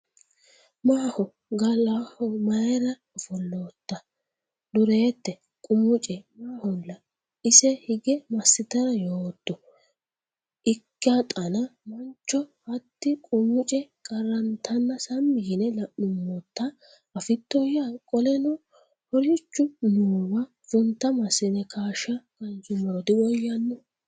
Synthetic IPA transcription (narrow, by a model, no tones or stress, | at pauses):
maːhɔ | ɡɐlahɔmɐjɛɾɐ | ɔfɔlːoːt̪ːɐ | d̪ʊɾeːt̪ːɛ | kʼʊmʊt͡ʃʼɛmaːhɔlːɐ | ɪsɛhɪɡɛmɐsːɪt̪ɐɾɐjoːt̪ːɔ | ʔɪkːat̪ʼɐnɐmɐnt͡ʃːɔhɐt̪ːɪkʼʊmʊt͡ʃʼɛkʼɐɾɐnt̪ɐnːɐsɐmːɪɡɪnɛlɐʔːʊmːɔt̪ːɐ | ɐfɪt̪ːɔjakʼɔlɛnɔ | hɔɾɪt͡ʃːʊnuːwɐ | fʊnt̪ːɐmɐsɪnɛkʰaːʃɐkɐnt͡ʃʊmoːd̪ɪwɔjːɐnːʊ